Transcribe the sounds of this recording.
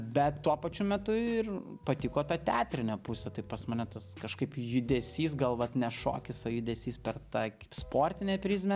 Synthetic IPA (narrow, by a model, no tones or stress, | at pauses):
bʲɛt̪t̪uɔpɐt͡ʃʲʊmʲɛt̪ʊɪrpɐt̪ʲɪkoːt̪ɑt̪ʲæːt̪ʲɾʲɪnʲoːpʊsʲɛt̪ɐɪppɐsmɐnʲɛt̪ɐskɐʃkɐɪpjʊd̪ʲɛsʲiːs̬ɡɐlˠʋɐt̪nʲɛʃo̰ːkʲɪsoːjʊd̪ʲɛːsʲiːspʲɛrtt̪ɑːkɐɪspoːɾʲt̪ʲɪnʲeːpʲɾʲiːs̬ʲmʲɛ